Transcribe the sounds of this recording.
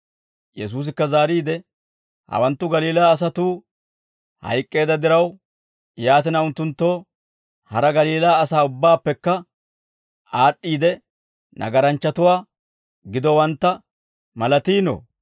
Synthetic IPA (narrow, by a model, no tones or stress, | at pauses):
jɛs̬uːs̬ɪkːɐzaːɾiːd̪ɛ | hɐ̰wɐnt̪ːʊɡɐliːlaːs̬ɐt̪uː | hɐ̰jkʼːe̞ːd̪ɐd̪ɪɾɐw | jaːt̪ɪnɐʊnt̪ːʊnt̪ːo̞ː | hɐɾɐɡɐliːlaːsaːʊbːaːpːɛkːɐ | aːɗːiːd̪ɛ | nʔɐ̰ɡɐɾɐnt͡ʃːɐt̪ʊwaː | ɡɪd̪ɔwɐnt̪ːɐ | mɐlɐt̪iːno̰